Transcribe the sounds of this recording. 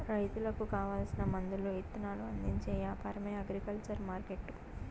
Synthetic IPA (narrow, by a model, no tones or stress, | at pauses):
ɾɐjt̪ulɐkukaːʋaːlsinɐmɐnd̪uluet̪ːunaːluɐnd̪iɲt͡ʃeːjaːpʰaːɾɐmeːɐɡɾikɐlt͡ʃɐɾmaːɾkeʈːu